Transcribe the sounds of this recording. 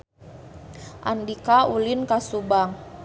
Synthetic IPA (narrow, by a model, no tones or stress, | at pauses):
ʔa̰ndikaulinkasubaŋ